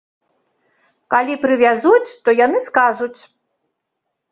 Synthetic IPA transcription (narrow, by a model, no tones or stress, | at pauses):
kalʲipɾɨvʲazut͡sʲt̪ɔjanɨskaʐut͡sʲ